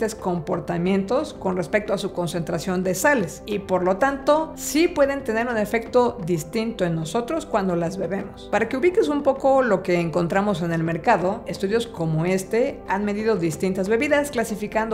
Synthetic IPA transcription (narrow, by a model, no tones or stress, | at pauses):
t̪esko̞mpo̞ɾt̪amjẽ̞nt̪o̞sko̞nre̞spe̞k̚t̪oasuko̞nse̞nt̪ɾasjo̞nd̪e̞sale̞sipo̞ɾlo̞t̪ant̪o̞sipwe̞ðe̞nt̪e̞ne̞ɾune̞fe̞k̚t̪o̞ðist̪int̪o̞e̞nːo̞so̞t̪ɾo̞skwand̪o̞lazβe̞βe̞mospaɾake̞uβike̞sumpo̞ko̞lo̞ke̞ːŋko̞nt̪ɾamo̞se̞ne̞lme̞ɾkaðo̞e̞st̪uðjo̞sko̞mo̞e̞st̪e̞anme̞ðiðo̞ðist̪int̪azβe̞βiðasklasifikand̪